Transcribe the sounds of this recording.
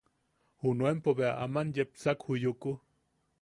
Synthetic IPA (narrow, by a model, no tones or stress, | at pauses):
hunuempoβeaʔamanjep̚t͡sakhujuku